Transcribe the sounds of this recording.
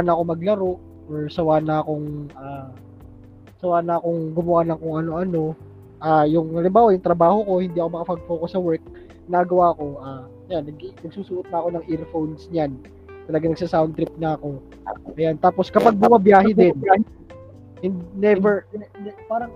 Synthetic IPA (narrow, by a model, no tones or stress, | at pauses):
anɐʔɐko̞mɐɡlɐɾo̞ʔ | ʔoɹsɐwaːnɐʔɐko̞ŋʔaː | sɐwaːnɐʔɐko̞ŋɡʊmɐwaːnɐŋkʊŋɐno̞ʔɐno̞ | ʔajʊŋɐlɪmbaːwɐjʊŋt̪ɾɐbaːho̞ko̞hɪnd̪iːɐkomɐkɐpɐɡ̚fokosɐwɛɹk̚ | ɪnaːɡɐwaːko̞ʔaː | janːɐɡinɐɡ̚suːsʊʔot̪̚nɐʔɐko̞nɐŋʔɪɾfownsɲan | t̪ɐlɐɡanɐɡsasawnt̪ɾɪp̚nɐʔɐko̞ | ʔɐjant̪aːpo̞skɐpɐɡ̚bʊmɐbjaːɦɛd̪ɛnɐ | hɪnd̪nɛvɛɹɛpaːɾɐŋ